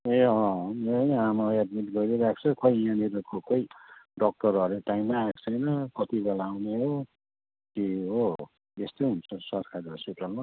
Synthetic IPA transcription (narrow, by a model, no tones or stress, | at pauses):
eʌ̃meʌjamaed̪miʈɡʌɾiɾak̚t͡sʰʌkʌjɦãniɾokokʌjɖʌk̚ʈʌɾʌɾeʈaimːaːkt͡sʰʌjnʌkʌt̪ibʌlawneɦo | kio | est̪ʌjɦunt͡sʰʌsʌrkʰaɾiɦʌspiʈʌlma